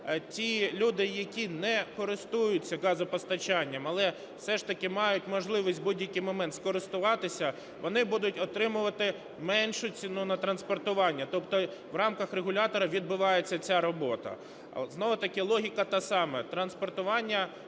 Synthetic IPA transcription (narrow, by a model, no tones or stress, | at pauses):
tʲilʲud̪ɪjɐkʲinɛkɔɾɪst̪ujʊt͡sʲːɐɡɑzɔpɔst̪ɐt͡ʃɑnʲːɐmɐlˠɛ | wsɛʃt̪ɐkɪmɑjʊtʲmɔʒlˠɪʋisʲtʲbudʲjɐkɪjmɔmɛnt̪skɔɾɪst̪ʊʋɑt̪ɪsʲɐ | ʋɔnɪbud̪ʊtʲɔt̪ɾɪmʊʋɐt̪ɪ | mɛnʃʊt͡sʲinunɐt̪ɾɐnspɔrt̪ʊʋɑnʲːɐt̪ɔpt̪ɔʋrɑmkɐxreɦʊlʲɑt̪ɔɾɐʋʲid̪̚bʊʋɑjet͡sʲːɐt͡sʲaɾɔbɔt̪ɐ̰ | znɔʋʊt̪ɐkɪlˠɔɦʲikɐt̪ɑsɑmɛt̪ɾɐnspɔrt̪ʊʋɑnʲːɐ